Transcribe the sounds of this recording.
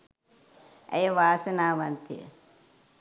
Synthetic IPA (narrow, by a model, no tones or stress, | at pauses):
ɐ̰jɐʋaːsɐnaːʋɐnt̪ʰḭ